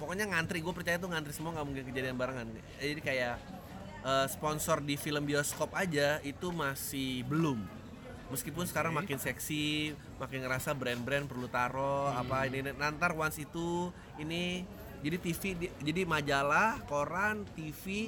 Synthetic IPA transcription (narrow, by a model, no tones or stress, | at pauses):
pokoɲaŋant̪ɾiɡuapərt͡ʃajat̪̬uŋant̪ɾisəmuaŋɡaʔmuŋkɪnkəd͡ʒadianbaɾaŋan | d͡ʒadikajaʔ | əsə̥pɔnsɔrdifiləmbioskɔpad͡ʒait̪umasɪhbəlʊmː | əskipʊnsə̥kaɾaŋmakɪnsɛksi | makɪnŋəɾasabɾɛnbɾɛnpərlut̪aɾoapaininnant̪arwansit̪u | ini | d͡ʒadit̪ifid͡ʒadimad͡ʒalahkoɾant̪ifi